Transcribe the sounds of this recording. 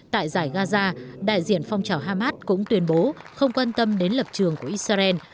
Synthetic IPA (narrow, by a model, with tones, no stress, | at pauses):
t̪a̰ː˧˨jzaː˧˩jɣaː˧zaː˧ɗa̰ː˧˨jzḭ˧˨ənfɔ˧wŋ͡mt͡ɕaː˨˩wɦaː˧maː˦˥t̚kʊ̰˧˥ŋ͡mt̪wi˧ənɓo˨˦xə˧wŋ͡mkwaː˧nt̪ə˧mɗe˨˦nlə˨˩p̚t͡ɕɨ˨˩əŋku˧˩əʔi˦˥t̚saː˧zɛ˧n